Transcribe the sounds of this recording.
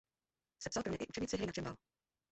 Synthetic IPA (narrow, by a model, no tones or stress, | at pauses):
sɛpsalˠpɾomɲɛʔɪ̰ʔut͡ʃɛɲiːt͡sɪɦɛjnat͡ʃɪmba̰l